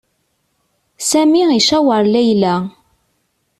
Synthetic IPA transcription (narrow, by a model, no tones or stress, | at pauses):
sæmiiʃæwəɾˤlæjlæ